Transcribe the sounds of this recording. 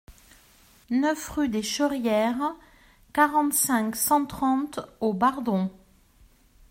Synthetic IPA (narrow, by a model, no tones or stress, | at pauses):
nœfʁyd̪eʃəʁjɛʁ | kaʁɑ̃t̪sɛ̃ksɑ̃t̪χɑ̃t̪obaʁd̪ɔ̃